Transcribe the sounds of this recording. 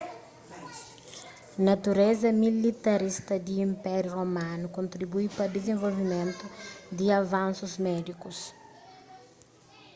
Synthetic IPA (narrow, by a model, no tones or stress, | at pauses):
nɐt̪uɾɛzɐmilit̪aɾist̪ɐd̪iĩmpɛɾjuromãnukõnt̪ɾibujpɐd̪ezẽvolvimẽnt̪ud̪iavãnsuzmɛd̪ikus